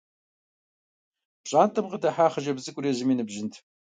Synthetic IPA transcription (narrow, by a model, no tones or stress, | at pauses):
pɕʼaːntʼɐmqədɐħaːχɐʒɐbzɨkʷʼʊreːzɨmiːnɨbʒɪntʰ